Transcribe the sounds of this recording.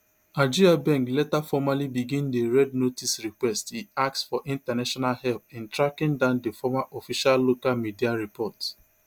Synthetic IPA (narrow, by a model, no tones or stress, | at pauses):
aɪd͡ʒiɾabɛ̃ŋklɛtafɔmalibiɡĩndeɹɛdnotisɹikwɛstiak̚tsfɔʔĩntanaʃɔnalhɛlpɪ̃ntɹakɪ̃ŋdãndefɔmaʔɔfiʃalːokalmidiaɹipɔt